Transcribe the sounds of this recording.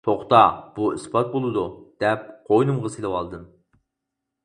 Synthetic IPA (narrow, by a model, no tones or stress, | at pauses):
t̪ʰoχt̪ɑb̥uisbɑt̪̚bolˠɨd̪ud̪̥ɛp̚qʰojnɨmʁəselɨwɑlˠd̪ɨm